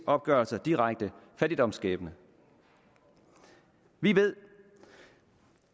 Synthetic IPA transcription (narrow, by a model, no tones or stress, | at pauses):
ɒ̽b̥̚ɡ̥ɶɐlsɐd̥iʁaɡ̥̚d̥əfæd̥id̥ɒ̽msɡ̥ɛ̰ːb̥ənə | ʋiʋe̝ð̰ˠ